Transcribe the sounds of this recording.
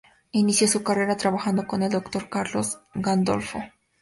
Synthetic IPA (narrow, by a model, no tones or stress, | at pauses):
inisjo̞sukare̞ɾat̪ɾaβaxand̪o̞ko̞ne̞ld̪o̞kt̪o̞ɾkaɾlo̞zɡand̪o̞̰lfo̞